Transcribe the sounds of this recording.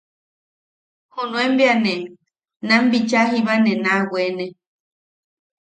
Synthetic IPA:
hunũembjanẽ | nãmbit͡ʃaɦiβanẽnãwʷene

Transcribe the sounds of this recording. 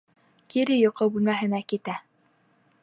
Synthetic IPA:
kiɾɘjŏqɤbʉlmæɦɘ̆nækit̪æ

